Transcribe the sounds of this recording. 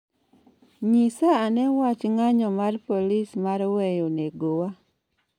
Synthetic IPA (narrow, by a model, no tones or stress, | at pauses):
ɲisaanɛwat͡ʃŋaɲɔmarpolismaɾwɛjoneɡowa